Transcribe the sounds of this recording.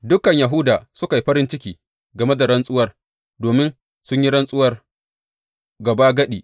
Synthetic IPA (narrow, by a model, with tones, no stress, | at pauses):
dʊ˦kɐ˨ɲjɐ˨ɦʊ˦daː˨sʊ˦ka˨ji˦ɸɐ˦ɾɪ˦nt͡ʃɪ˦kʲiː˨ | ɡɐ˨me˦da˨ɽɐ˦nsʼʊ˦wɐ˦r | doː˨mɪ˦n | sʊ˦ɲji˦ɽɐ˦nsʼʊ˦wɐ˦r | ɡɐ˨baː˦ɡɐ˦ɗiː˨